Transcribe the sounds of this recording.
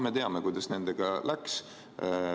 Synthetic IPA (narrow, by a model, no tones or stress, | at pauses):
me̞t̪e̞ɑmekujd̪̥ɑsne̞nd̪eɡ̥ɑlʔæks